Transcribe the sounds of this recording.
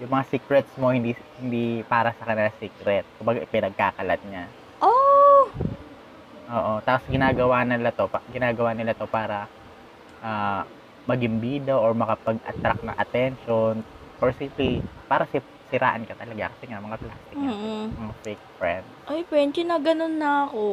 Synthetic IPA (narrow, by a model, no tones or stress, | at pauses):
jʊŋmɐŋasiːkɾɛt̪smo̞hɪnd̪ihɪnd̪ipaːɾɐsɐkɐnɪlasiːkɾɛt̪̚kʊmbaɡaʔɪpɪnɐɡ̚kaːkɐlɐt̪̚ɲa | ʔo | ʔoːʔo̞t̪aːposɡɪnaːɡɐwaːnɪlat̪o̞paɡɪnaːɡɐwaːnɪlat̪o̞paːɾɐ | ʔaː | mɐɡɪmbiːd̪oʔoɹmɐkɐpɐɡʔɐ̰t̪ɾak̚nɐ̰ŋʔɐt̪ɛnʃon | ʔoɹsimplipaːɾɐsɪ | sɪɾʔa̰ːʔɐnkɐt̪ɐlɐɡa̰kɐsɛɲamɐŋaplaːst̪ɪmɐŋafejk̚fɹɛnd̪̚ʔɐjpwɛnt͡ʃ̪ɪnɐɡɐnonːɐʔo